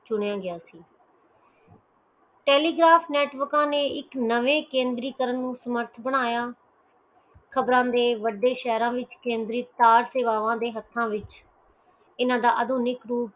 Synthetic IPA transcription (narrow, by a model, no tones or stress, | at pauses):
t͡ʃʊɽjãːɡɪjaːsiː | ʈeːliːɡɾaːpʰnɛːʈʋəɾkãːneːɪknəʋẽːkẽːnd̪ɾiːkəɾənːũːsəməɾt̪ʰbəɽ̃aːjaː | kʰəbɾãːd̪eːʋəɖːeːʃɛːɾãːʋɪt͡ʃkẽːnd̪ɾiːt̪aːɾseːʋaːʋãːd̪eːɦət̪ʰːãːʋɪt͡ʃ | ɪnãːd̪aːʔəd̪ʱuːnɪkɾuːp